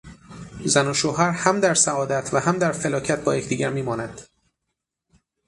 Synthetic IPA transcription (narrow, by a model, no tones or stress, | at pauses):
zænoʃoːɦæɾhæmd̪æɾsæɒːd̪æt̪ʰvæhæmd̪æɾfelɒːcʰæt̪̚bɒːje̞cʰd̪iːɟæɾmiːmɒːnæd̪̥